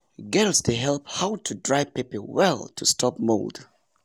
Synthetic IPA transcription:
ɡɛlˠsdeɦɛlˠphaʊtʰudɹaɪpipəwɛlˠtʰustʰɔp̚mo̰ld̥

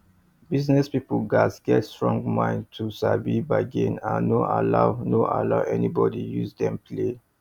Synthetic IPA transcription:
biznɛspipuɡasɡɛtstɹɔ̃ŋɡmãɪ̃ntʰusabibaɡẽnanoa̰lawnoʔa̰laʊʔɛnibɔdijuzdɛ̃mpʰle

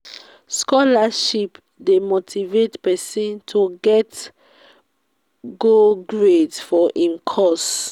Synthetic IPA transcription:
skɔlaʃip | demotʰivetpɛsĩntʰuɡɛt | ɡoɡɹedfɔʔĩmkʰɔs

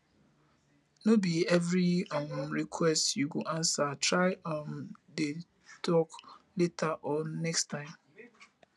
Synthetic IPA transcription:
nobiɛvɹiamɹikʰwɛstjuɡuʔãnsatʰɹaɪãmde | tʰɔkletʰaʔɔnɛkstʰãɪ̃m

